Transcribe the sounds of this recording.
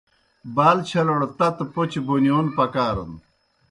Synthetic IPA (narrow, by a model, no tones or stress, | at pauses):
baːlt͡ɕʰɐlɐɽt̪ɐt̪pot͡ɕibonjoːnpɐkaːɾɐ̰n